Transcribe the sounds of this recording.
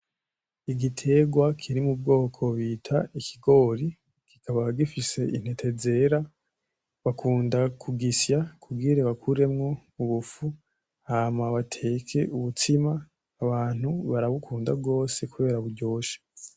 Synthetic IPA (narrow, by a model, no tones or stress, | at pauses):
iɡitʰe̞ɡwakʰiɾimub̚ɡo̞ːkʰo̞βiːtʰaikʰiɡo̞ːɾi | ki̥kʰaβaɡifise̞ʔin̥e̞tʰe̞ze̞ɾa | βakʰuːndakʰuɡisjakʰuɡiɾeβakʰuɾe̞mŋo̞uβufu | haːmaβatʰe̞kʰe̞uβutʰimaː | βaːn̥huβaɾaβukʰuːndab̚ɡo̞ːse̞kuβe̞ːɾaβuɾɟo̞ːʃḁ